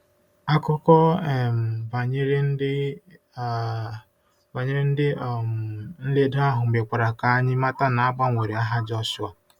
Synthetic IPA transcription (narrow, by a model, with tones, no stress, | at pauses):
a˦kʊ˦kɔ˦˨m̩˨va˨ɲɪ˦ɾɪ˦n̩˦dɪ˦˨ | va˨ɲɪ˦ɾɪ˦n̩˦dɪ˦˨m˨n̩˦le˦da˦ɦʊ˨ŋ͡m̩˨e˨kʷa˨ɾa˨ka˨a˦ɲɪ˦ma˦ta˦na˨a˦ba˦ŋʷe˨ɾi˨a˦ɦa˦d͡ʒɔ˦sʊ˦a˨